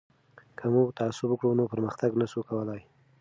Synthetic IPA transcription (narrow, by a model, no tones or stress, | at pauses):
kʰamuɡt̪aasʊbəkɽunopəɾməxt̪aɡnasukawəlaj